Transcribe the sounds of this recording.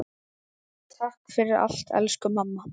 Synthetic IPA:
t̪ʰahkfɪɾɪɾa̰l̥t̪ɛ̰lskʏmamːa

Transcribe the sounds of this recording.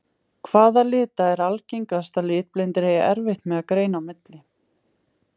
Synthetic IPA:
kʰvaːðalɪːt̪aɛɾalcijŋkast̪alɪːt̪̚plejnt̪ɪɾ̥heːjaʔɛɾvɪht̪mɛðakɾeːjnaːwmɪt̪lɪ

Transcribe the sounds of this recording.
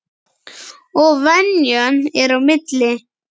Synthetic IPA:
ovanjɔneɾomet̪le

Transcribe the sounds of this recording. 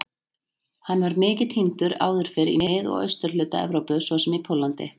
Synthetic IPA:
hanːvaɾmɪːcɪðhint̪ʏɾa̰ːwðʏɾ̥fɪɾḭmɪðɔ̰ɣœ̰ɥst̪ʏɾ̥lʏːt̪aɛ̰vɾowpʏsvɔsɛmipʰowlant̪ɪ̰

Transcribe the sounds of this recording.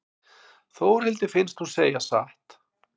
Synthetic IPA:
θoːwɾhɪlt̪ɪfɪnst̪huseːjasa̰ht̪

